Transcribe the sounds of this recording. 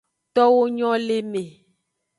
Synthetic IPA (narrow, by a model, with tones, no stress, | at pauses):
t̪ɔ˦wo˦ɲɔ̃˦le˦mẽ˨